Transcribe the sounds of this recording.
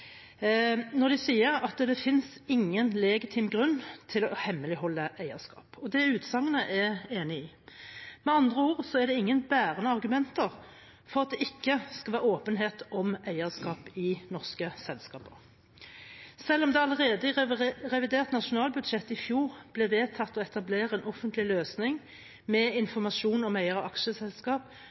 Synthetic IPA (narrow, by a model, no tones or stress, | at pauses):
nɔʁd̪ɛsiːəɾɑt̪d̪ɛfɪnsɪŋːənlɛɡɪt̪ʰɪːmɡʁʉnːt̪ʰɪlɔhɛmːəlɪhɔlːəʔæɪəskɑ̰ːpɔd̪ɛʉːt̪sɑŋːənəʔɛeːnɪiː | mɛɑnd̪ʁəoːʁsɔɛd̪ɛɪŋːənbæːʁənəɑʁɡʉmɛnt̪əʁ | fɔɾʁɑt̪̚d̪ɛɪkːəskɑʋæːɾoːpənɦeːt̪ɔmæɪəʁskɑːpɪnɔʁskəsɛlskɑːpəʁ | sɛlːɔmd̪ɛɑləʁeːd̪əʁɛʋɪd̪eːʁt̪nɑʃʊnɑːlbʉd̪ʂɛt̪ːɪfjuːʁb̥lɛʋeːt̪ʰɑt̪ːɔɛt̪ɑbleːɾəɛːnɔfənt̪lɪløːsnɪŋ | mɛɪnfɔʁmɑʃuːnɔmæɪəɾɔɑkʃəsɛlskɑːp